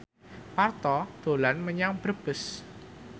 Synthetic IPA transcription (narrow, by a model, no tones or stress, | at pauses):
part̪ɔd̪̥o̤lanməɲaŋb̥ɾəb̥əs